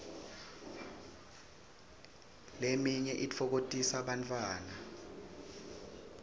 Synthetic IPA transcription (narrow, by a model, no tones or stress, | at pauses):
lemiɲɛʔit͡fʰɔk̬otʼisaɓantʰʼwaːna